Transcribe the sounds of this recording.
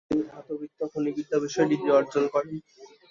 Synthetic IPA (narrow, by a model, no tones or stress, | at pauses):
iɦat̪obikt̪ːokʰonikit̪ːabiʃɔeɖid̪ioɔɾd͡ʑonkɔɾe